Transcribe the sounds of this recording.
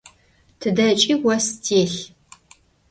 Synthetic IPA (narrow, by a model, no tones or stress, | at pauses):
tʰɨdɐt͡ʃʼiːwɐstʰeːɬ